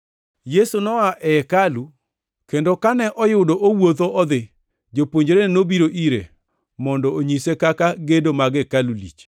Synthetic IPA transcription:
jesunɔaʔɛkalu | kendokanɛʔɔjʊdoʔowot̪oɔd̪ɪ | d͡ʒopoɲd͡ʒɾennobiɾoʔiɾḛ | mɔndɔoɲisekakaɡedomaɡɛkalulḭt͡ʃ

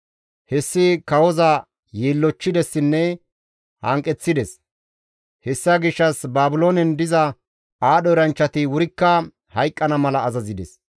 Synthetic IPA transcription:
hɛsːɪkɐwɔzɐ | jeːlːɔt͡ʃːɪd̪ɛsːɪnːɛ | hɐ̰ŋkʼɛt͡sːɪd̪ɛs | hɛsːɐɡɪʃːɐsbaːbʊloːnɛnd̪ɪzɐ | aːɗɔɾɐnt͡ʃːɐt̪ɪwʊɾɪkːɐ | hɐjkʼːɐnɐmɐlɐːzɐzɪd̪ɛ̰s

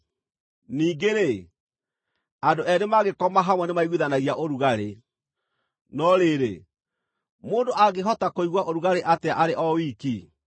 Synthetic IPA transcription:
niːɡeɾe | andoɛnemaɣekɔmaɦamwɛnemaiɣwiðanaɣiaʔoɾuɣaɾe | nɔɾeɾe | moːndoʔaɣeɦɔtakoiɣwaʔoɾuɣaɾeʔateaʔaɾeʔɔwiːki

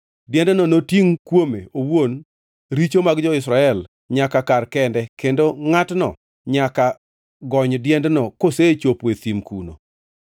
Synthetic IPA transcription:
djɛndnɔnotiŋkwomeowon | ɾit͡ʃomaɡd͡ʒɔɪsɾaɛl | ɲakakarkɛndɛkendoŋatnɔ̰ | ɲaka | ɡɔɲdjɛndnɔkoset͡ʃopwet̪imkuno̰

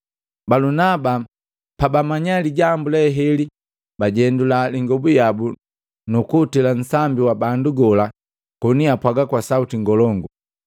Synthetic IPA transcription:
balunaba | pabamaɲaliɟambulɛɦɛli | baɟɛndulaliŋɡɔbujabu | nukuːtilan̩sambiwabanduɡɔla | kɔniapwaɡakwasautiŋɡɔlɔŋɡu

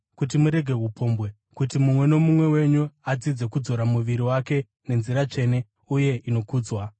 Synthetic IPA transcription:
kut̬imuɾe̞ɡʱe̞ɦupo̞mbwe̞ | kutimumwe̞no̞mumwe̞we̞ɲuad͡zid͡ze̞kud͡zo̞ɾamuʋiɾiwake̞ | ne̞nziɾat͡ʂe̞ne̞ | uje̞ino̞kuːd͡zwa

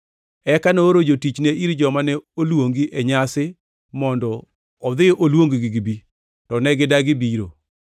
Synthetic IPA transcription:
ɛkanoːɾod͡ʒotit͡ʃneʔiɾd͡ʒɔmanɛolwoŋɡiʔeɲasɪ | mɔndɔː | d̪ɪʔolwoŋɡɡiɡibi | tɔnɛɡɪdaɡɪbiɾo̰

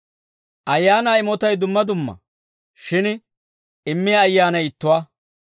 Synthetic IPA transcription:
ʔɐjːaːnaːɪmɔt̪ɐjd̪ʊmːɐd̪ʊmːɐ̰ | ʃɪn | ɪmːɪjɐːjːaːnɐjɪt̪ːʊwaː

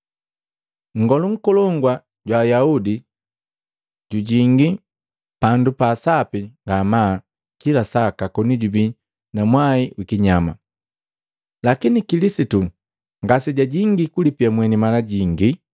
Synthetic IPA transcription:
ŋ̩ɡɔluŋ̩kɔlɔŋɡwa | ɟwaːjaudi | ɟuɟiŋɡi | pandupaːsapiŋɡama | kilasakakɔniɟubi | namwaiwikiɲama̰ | lakinikilisitu | ŋɡasiɟaɟiŋɡikulipiamwɛnimalaɟiŋɡi

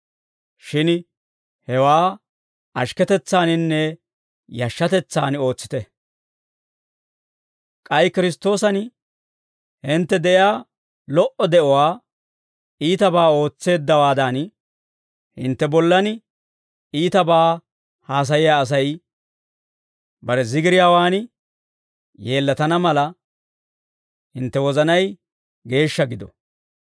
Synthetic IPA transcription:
ʃɪn | hɛwaː | ɐʃkɛt̪ɛt͡sːaːnɪnːɛ | jɐʃːɐt̪ɛt͡sːa̰ːno̞ːt͡sːɪ̥t̪ɛ | kʼɐjkɪɾɪst̪o̞ːsɐn | hɪnt̪ːɛd̪ɛʔjjaː | lɔʔɔd̪ɛʔɔwaː | iːt̪ɐbaːo̞ːt͡sːe̞ːd̪ːɐwaːd̪an | hɪ̰nt̪ːɛbɔlːɐn | iːt̪ɐbaː | haːs̬ɐjɪjaːs̬ɐj | bɐɾɛzɪɡɪɾɪjaːwaːn | je̞ːlːɐt̪ɐnɐmɐlɐ | hɪnt̪ːɛwɔzɐnɐj | ɡe̞ːʃːɐɡɪd̪ɔ̰

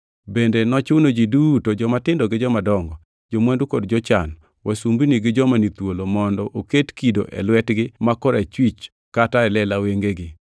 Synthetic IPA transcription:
bendenɔt͡ʃʊnod͡ʒidutod͡ʒɔmatɪndɔɡɪd͡ʒɔmadɔŋɡɔ | d͡ʒomwɛndukodd͡ʒɔt͡ʃan | wʔasumbiniɡɪd͡ʒɔmanit̪wolomɔndɔʔoketkido̰ʔɛ̰lwɛtɡɪmakɔɾɛt͡ʃwit͡ʃ | kataɛlɛlaweŋɡeɡɪ

